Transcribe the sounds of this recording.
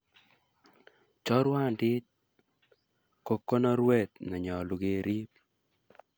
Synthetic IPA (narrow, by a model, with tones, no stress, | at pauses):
t͡ʃɔ˦ɾwa˦˨ndɪ˦t̚ | ko˨kːo˦nɔ˦ɾwe˦˨t̪nɔ˨ɲɔ˨lu˨ɡe˨ɾʔi˦p̚